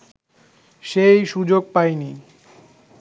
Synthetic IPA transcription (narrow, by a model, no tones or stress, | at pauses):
ʃejʃud͡ʑoɡ̚pajni